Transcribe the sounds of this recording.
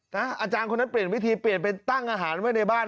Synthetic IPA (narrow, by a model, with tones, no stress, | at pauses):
na˦˥ʔaː˧t͡ɕaː˧nko˧nːa˦˥npli˨˩ənwi˦˥t̪ʰiː˧pli˨˩ənpe˧nt̪a˥˩ŋʔaː˧ɦaː˩˦nma˥˩jna˧jbaː˥˩n